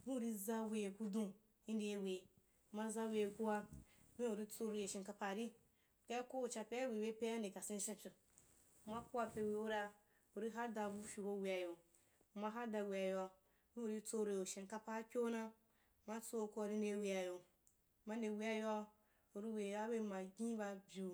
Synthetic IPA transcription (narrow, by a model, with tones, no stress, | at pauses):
bi˦u˨ɾi˧za˦we˧je˨ku˧dũ˦ | i˦nde˧˨we˨ | ma˧za˦we˧e˨ku˦wa˧˦bẽ˦u˨ɾi˦t͡so˦ɾu˧˨e˨ʃi˨nka˧pa˨ɾi˦˨ | ka˦a˦ko˦o˨t͡ʃa˧pe˦a˦wi˨we˦pe˦a˦de˨ka˨sĩ˧n˦ʃĩ˧t͡ʃi˨ | ma˦ku˦wa˧pe˧wi˨o˦ɾa˧ | u˨ɾi˦ɦa˦da˧˨bu˦fʲi˨bo˧˦wi˨a˨jo˨ | ma˦ɦa˦da˧˨wi˨a˨ja˧˦ | bi˦u˨ɾi˦t͡so˦˧ɾu˧e˨u˨ʃe˨n˨ka˦pa˦kʲo˦na˦˨ | ma˦t͡so˦˧ku˦a˧˨ɾi˦n˦de˧˦wi˧a˨jo˨ | ma˦n˦de˨wi˦a˦ja˧ | u˨ɾi˦we˨˦a˦be˦˨ma˨ɡʲĩ˦ba˧bʲu˨